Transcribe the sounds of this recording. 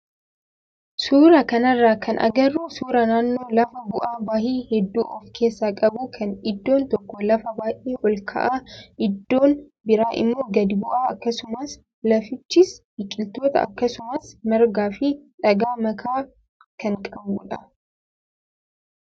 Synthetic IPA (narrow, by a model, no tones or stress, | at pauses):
suːɾɐkɐnɐrːaːkʰɐ̰nʔɐ̰ɡɐrːuːsuːɾɐnaːnːo̞ːlɐfɐbʊʔaːbaːhiːhɛd̪ːuːʔɔfkʰe̞ːsːaːkʼɐbuːkʰɐnɪd̪ːo̞ːnt̪ɔkːɔlɐfɐbaːʔiːʔɔlkʰɐ̰ʔaːʔɪd̪ːo̞ːn | bɪɾaːʔɪ̰mːo̞ːɡɐd̪ɪbʊʔaːɐkːɐsʊmɐs | lɐfɪt͡ʃːɪs | ɪkʼɪlt̪oːt̪ɐ̰ɐ̰kːɐsʊmɐsmɐɾɡaːfɪᶑɐɡaːmɐkʰaː | kɐŋkʼɐbuːᶑɐ